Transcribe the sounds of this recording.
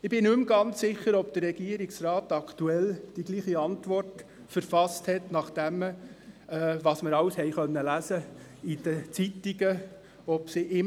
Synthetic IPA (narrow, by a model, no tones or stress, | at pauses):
ɪbɪnʉmɡɑnt͡sːɪχəɾɔb̚d̥̪ərːɛɡ̥iəɾiksrɑːtɑkʰtuɛld̥iɡliːχiɑntʋɔrt | fəɾfɑsthɛtnɑχd̥æm | ɛʋɑːsməɾɑwshɛɪχœnːəlæsə | id̥ət͡sitiɡə | ɔpsiʔɪ